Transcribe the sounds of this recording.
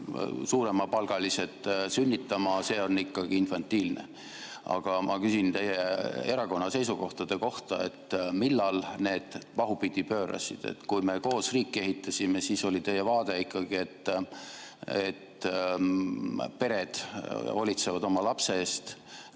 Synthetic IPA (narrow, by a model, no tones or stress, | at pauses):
suːɾe̞mɑpɑlɡ̥ɑliset̪ˑsynʲːit̪ːˑɑmɑse̞ːo̞nːikːɑɡ̥iinfɑnt̪ːˑiːlnḛ | ɑ̰ɡ̥ɑmʔɑkysint̪e̞jːeee̞ɾɑko̞nːɑse̞jsuko̞ht̪ɑd̪̥e̞ko̞ht̪ɑ̰e̞̰t̪ːmilːɑlne̞ːd̪̥pɑɦupid̪̥ipø̞ːɾɑ̰sḭd̪̥ḛt̪kujme̞ko̞ːsriːkˑːe̞ɦit̪ːɑsʲimesiːso̞lʲit̪e̞jevɑːd̪̥e̞ikːˑɑɡ̥ie̞t̪ː | e̞̰t̪ | pe̞ɾe̞d̪̥o̰lʲit̪se̞vɑd̪o̞mɑlɑpse̞eːst̪